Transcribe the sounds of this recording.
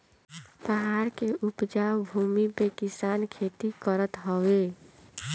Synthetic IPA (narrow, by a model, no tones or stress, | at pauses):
pəɦaɾkeʔupd͡ʒawbʱumipekisankʰet̪ikəɾət̪ɦɔwe